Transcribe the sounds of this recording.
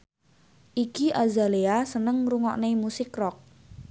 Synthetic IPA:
ʔikiʔazaleasənəŋruŋɔ̰ʔnemusɪkrɔk̚

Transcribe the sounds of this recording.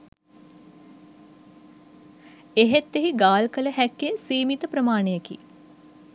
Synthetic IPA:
eɦet̪ːeɦiɡaːlkələhækːesiːmit̪əpɾəmaːɳejəkḭ

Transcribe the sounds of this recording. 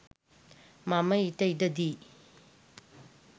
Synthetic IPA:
mamɐjtɐjdɐd̪i

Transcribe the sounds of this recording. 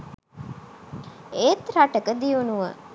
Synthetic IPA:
eːt̪ɾaʈəkəd̪ijunuʋə̰

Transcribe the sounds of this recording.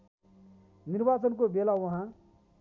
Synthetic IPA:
niɾbat͡sʌnkobelawʌɦã

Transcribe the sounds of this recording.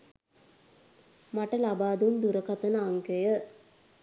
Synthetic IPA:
maʈɐlabaːd̪und̪uɾɐkɐt̪ɐnəaŋkəjə

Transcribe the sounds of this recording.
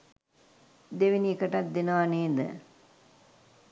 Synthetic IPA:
d̪eʋiniekəʈat̪̚d̪enəʋaneːd̪ə̰

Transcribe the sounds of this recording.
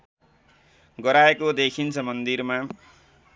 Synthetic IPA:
ɡʌɾaekod̪ekʰint͡sʰʌmʌnd̪irma

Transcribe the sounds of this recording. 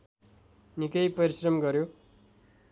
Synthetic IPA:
nikʌjpʌɾisrʌmɡʌɾjo

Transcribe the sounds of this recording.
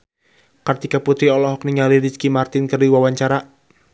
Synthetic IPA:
kərt̪ikaput̪ɾiɔlɔɦɔk̚niŋaliɾiskimart̪ɪnkərdiwawaɲt͡ʃaɾa

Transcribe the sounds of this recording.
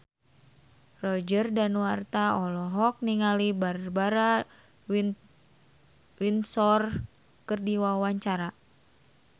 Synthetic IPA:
rɔd͡ʒərdanwart̪aɔlɔɦɔk̚niŋalibaɾbaɾa | winsɔr | kɨrdiwawaɲt͡ʃaɾa

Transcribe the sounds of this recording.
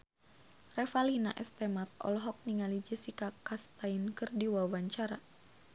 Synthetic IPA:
rɛfalina̰ʔɛst̪ɛmat̪̚ɔ̰lɔɦɔk̚niŋalid͡ʒəsikakast̪ainkɨrdiwawaɲt͡ʃaɾa

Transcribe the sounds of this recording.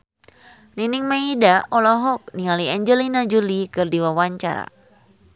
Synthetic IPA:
niniŋmaidaɔlɔɦɔk̚nialiɛɲd͡ʒəlinad͡ʒulikɨrdiwawaɲt͡ʃa̰ɾa̰

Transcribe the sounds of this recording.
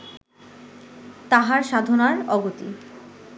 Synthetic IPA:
t̪aɦaɾʃad̪ʱonaɾɔɡot̪ḭ

